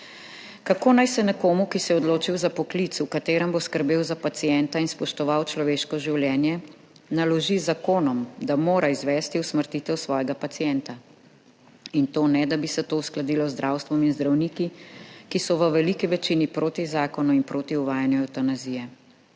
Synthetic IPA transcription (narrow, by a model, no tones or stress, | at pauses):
kakoːnajsɛnɛkoːmukisɛɔd̪loːt͡ʃiwzapɔklit̪sukat̪eːɾɛmboskəɾbeːwzapat̪sijɛnt̪ainspɔʃt̪ɔʋawt͡ʃlɔʋeːʃkɔʒiwljɛːnjɛ | nalɔʒizakoːnɔmd̪amoːɾaizʋɛːst̪iusməɾt̪it̪ɛwsʋɔːjɛɡapat̪sijɛnt̪a | int̪oːnɛd̪abisɛt̪oːusklad̪iːlɔzd̪ɾʔawst̪ʋɔminzd̪ɾawniːkikisɔʋəʋɛlikiʋɛt͡ʃinipɾoːt̪izaːkɔnuinpɾoːt̪iuʋaːjanjɔawt̪anazijɛ